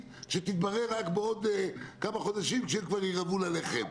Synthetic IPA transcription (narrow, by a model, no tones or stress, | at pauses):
ʃet̪it̪̚baʁeʁːakbeo̞d̪ekamaχo̞d̪aʃimkʃemkvaʁjiʁavulaleχḛm